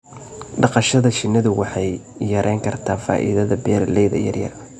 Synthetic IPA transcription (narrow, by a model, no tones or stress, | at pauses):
ɖɑqɑʃɐðɐt͡ʃɪnɐðʊwɑħɑjːɐɾʔɛːŋkʰɐrt̪ʰaːfa̰ːʔḭðɐðɐbɛːɾlɛjðɐ̰jɐ̰rjɐ̰r